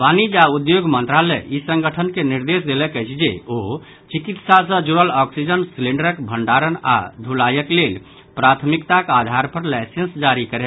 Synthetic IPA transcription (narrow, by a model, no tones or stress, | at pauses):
panid͡ʒaud̪joɡmə̃nt̪ɾalɛisə̃ŋɡəʈʰənkeniɾd̪es̬d̪elɛkəjt͡ʃʰd͡ʒeo | t͡ʃikit̪sasə̃d͡ʒuɾəlɔksid͡ʒənslĩɳɖəɾəkbʱəɳɖaɾəna̰d̪ʱulajəklel | pɾat̪ʰmikt̪akad̪ʱaɾpʰəɾlɛsensd͡ʒaɾikəɾɛ